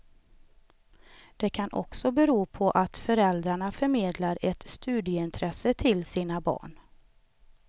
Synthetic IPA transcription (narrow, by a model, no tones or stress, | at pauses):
d̪̥ɛkʰanʔɔ̰ksɔbɛɾuːpʰɔʔat̪fœɾɛld̪ɾaɳafœɾmeːd̪laɾɛt̪st̪ʉːd̪ɪəɪnt̪ʰɾɛsət̪ʰɪlsiːnabɑ̰ːɳ